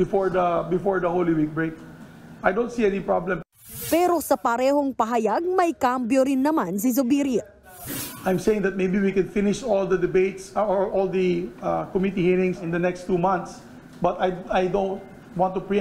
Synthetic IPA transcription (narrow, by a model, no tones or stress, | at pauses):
bɪfɔɹd̪ɐbɪfɔɹd̪ɐholiwik̚bɹek̚ʔajd̪õwnt̪siɛnipɹablɛ̃m | pɛːɾo̞sɐpɐɾɛːhoŋpɐɦɐjaɡ̚mɐjkampjoɾɪnːɐmans̬ɪz̬ʊbiɾɪ | ʔajmsejɪ̃ŋd̪ɐt̪̚mejbiwikɛ̃nfɪnɪʃɔld̪ɐd̪ɛbeɪt̪sɔɹʔɔld̪ɐkɔmit̪ihiɹɪ̃ŋsɪ̃nd̪ɐnɛkst̪ːuːmãnt̪s | bɐt̪ajajd̪õʊ̃nt̪̚ | wɑ̃nt̪ːupɹi